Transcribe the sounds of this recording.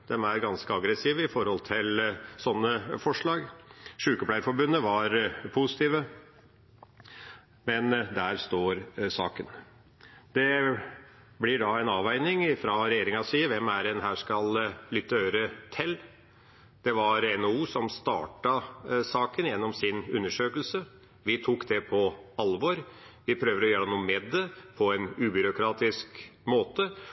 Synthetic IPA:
d̪ɛmæɾɡɑnskəɑɡɾɛsiːʋəɪfɔɾhɔlt̪ʰɪlsɔnːəfɔʂɭɑːɡʂʉːkəpʰlæɪəɾfɔɾbʉnːəʋɑɾpʰʊsɪt̪iːʋə | mɛnd̪æːɾst̪oːɾsɑ̰ːkən | d̪ɛ | blɪɖɑɛɪnɑːʋæɪnɪŋɪfɾɑɾɛjeːɾɪŋɑsiːəʋɛmæɾɛnɦæːʂkɑllʏt̪ːəøːɾət̪ʰɪl | d̪̥ɛʋɑɾɛnouːsɔmst̪ɑ̰ːʈɑsɑːkənjɛnːɔmsɪnʉnːəʂøːkəlsə | ʋɪt̪ʰukd̪ɛpʰɔɑlʋɔɾʋɪpʰɾøːʋd̪əɾɔjøːɾɛnuːmɛd̪ɛpʰɔɛnʉːbʏɾʊkʰɾɑːt̪ɪskmoːt̪ə

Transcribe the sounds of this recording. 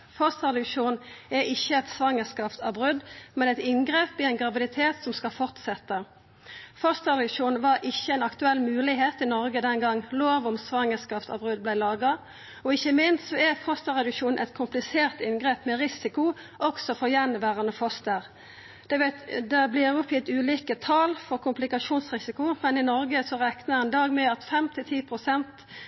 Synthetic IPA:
fɔst̪əʁɑd̪ʉkʂuːnɛɪçːəɛt̪sʋɑŋːəskɑːft̪ɑbʁʉd̪mɛnɛt̪ɪnɡʁeːpɪɛnɡʁɑʋɪd̪ɪt̪ʰeːt̪sɔmskɑfɔʁt̪sɛt̪ːə | fɔst̪əʁd̪ʉkʂuːn̩ʋɑɾʔɪçəɛnɑkt̪ʉɛlːmʉːlɪɦeːt̪ɪnɔʁɡəd̪ɛnɡɑŋloːʋɔmsʋɑŋːəskɑːft̪ɑ̰bʁʉd̪̚blæɪlɑːɡɑ | ɔɪçəmɪnst̪sɔɛfɔst̪əʁɛd̪ʉkʃuːnnʔɛ̰t̪kʰʊmplɪseːʁt̪ɪnɡʁeːpmɛɾɪsɪkʊ | ʔɔksɔfɔjɛnʋæːʁənəfɔst̪əʁ | d̪̥ɛd̪ɛbliːɾʊpjɪt̪ʉːliːkət̪ʰɑːlfɔʁkʰʊmplɪkɑʂuːnsʁɪsɪkʊmɛnɪnɔɾɡəsɔʁɛknəhɛnd̪ɑːɡmɛɑt̪fɛmt̪ʰɪlt̪ʰiːpʰʁʊsɛnt̪

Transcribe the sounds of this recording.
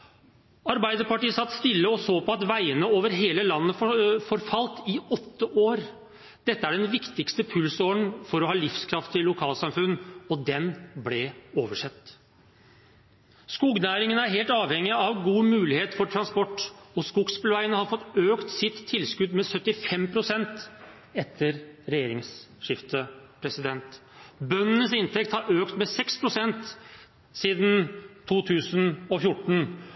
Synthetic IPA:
ɑɾbæɪd̪əɾpɑʈiːəsɑt̪ːst̪ɪlːəɔsoːpɔɑt̪ʋæɪənəoːʋəɾɦeːləlɑnːəfɔɾfɑlt̪ɪɔt̪ːəʔoːɾ | d̪̥ɛt̪ːəæɖɛnʋɪkt̪ɪkst̪əpʰʉlsɔɳfɔɾɔhɑːlɪfskʰɾɑft̪ɪlʊkʰɑːlsɑmfʉnːɔd̪ɛnblɛoːʋəʂɛt̪ː | skuːɡnæːɾɪŋənəæɾɦeːlt̪ɑːʋhɛŋːɪɑʋɡuːmʉːlɪheːt̪fɔʈʰɾɑnspɔʈːɔskuɡspɪlʋæɪənəhɑɾfɔt̪ːøːkt̪sɪt̪ʰːɪlskʉd̪mɛsœt̪ːɪfɛmpʰɾʊsɛnt̪ | ɛt̪ʰːəɾɾɛjeːɾɪŋsʂɪft̪əpʰɾɛsɪd̪ɛnt̪bœnənəsɪnt̪ʰɛk̚t̪hɑɾʔøːkt̪mɛsɛkspʰɾʊsɛnt̪ | siːd̪n̩t̪ʰuːt̪ʰʉːsənɔfjʊʈːɳ̩

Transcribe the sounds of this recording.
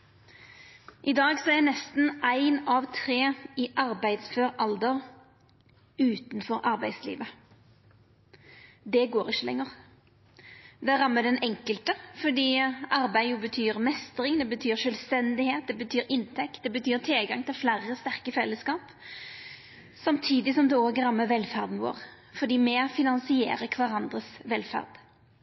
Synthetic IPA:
ʔɪd̪ɑːɡsɔæɾnɛst̪n̩ʔæɪnɑʋt̪ʰʁeːɪʔɑɾbæɪd̪sføʁʔɑld̪əʁ | ʉːt̪nfɔɾʔɑɾbæɪd̪slḭːʋə | d̪ɛɡoːɾɪçːəlɛ̰ŋːəʁ | d̪ɛæʁɑmːəd̪ɛnɛŋkəlt̪əfɔd̪iːɑɾbæɪjʊbət̪ʰyːɾmɛst̪ɾɪŋd̪ɛbət̪ʰyːʁʃœlst̪ɛnd̪ɪheːt̪̚d̪ɛbət̪ʰyːɾɪnt̪ʰɛkt̪̚d̪ɛbət̪ʰyːʁt̪ʰɪlɡɑŋt̪ʰɪlflæɾəst̪æʁkəfɛlːəskɑːp | sɑmt̪ʰiːd̪ɪsɔmd̪ɛoːɡʁɑmːəʋɛlfæʁd̪nʋo̰ːʁ | fɔd̪iːmɛfɪnɑnsɪḛːɾəkʰʋæɾɑnd̪ʁəsʋɛlfæ̰ʁd̪̥

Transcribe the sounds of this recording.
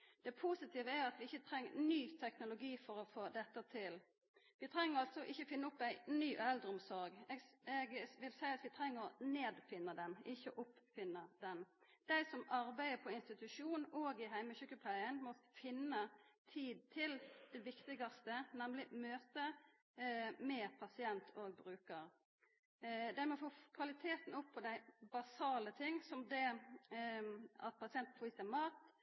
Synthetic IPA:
d̪̥ɛpʰusɪt̪ʰiːʋəæɑt̪ʋɪɪçːət̪ʰɾɛŋːənyːt̪ʰɛknʊlʊɡiːfɔɾɔfoːd̪ɛt̪ːət̪ʰɪl | ʋɪt̪ʰɾɛŋːəɾɑlt̪sɔʔɪçːəfɪnːəʊpːæɪnyːʔɛld̪ʁʊmsɔɾɡɛɛɡʋɪlsæɪɑt̪ʋɪt̪ʰɾɛŋːəʁɔneːd̪fɪnːəd̪ɛnɪçːəʔʊpfɪnːəd̪ɛnd̪̥æɪsɔmɑɾbæɪəpʰɔɪnst̪ɪt̪ʉʂuːnn̩oːɡɪɦæɪməçʉkːəpʰlæɪənmɔfɪnːət̪ʰiːd̪̚t̪ʰɪld̪̥ɛʋɪkt̪ɪɡɑst̪ənɛmlɪmøːt̪ə | mɛːpʰɑsɪɛnt̪ʰoːɡ̚bɾʉːkəɾ | d̪æɪmoɔfoːkʰʋɑlɪt̪ʰeːt̪n̩ʊpʰːɔd̪æɪbɑsɑːlət̪ʰɪŋːsɔmd̪ɛ | ɑ̰t̪̚pʰɑsɪɛnt̪fʰɔiːsɛmɑːt̪

